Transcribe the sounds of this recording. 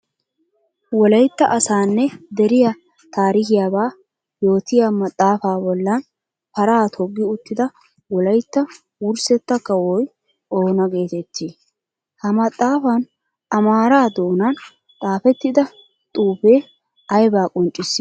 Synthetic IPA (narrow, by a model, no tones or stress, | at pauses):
wɔlɐjt̪ːɐʔɐsaːnːɛd̪ɛɾɪja | t̪ʰaːɾɪkɪjaːbaː | jo̞ːt̪ɪjamɐt̪ʼːaːfaːbɔlːɐn | pɐɾaːt̪ʰɔɡːɪʊt̪ːɪd̪ɐ | wɔlɐjt̪ːɐ | wʊɾsɛt̪ːɐkːɐwɔj | o̞ːnɐɡe̞ːt̪ɛt̪ːiː | hɐmɐt̪ʼːaːfɐn | ɐmaːɾaːd̪o̞ːnan | t̪ʼaːfɛt̪ːɪd̪ɐ | t̪ʼuːfeː | ɐjbaːkʼɔnt͡ʃʼːɪsːɪ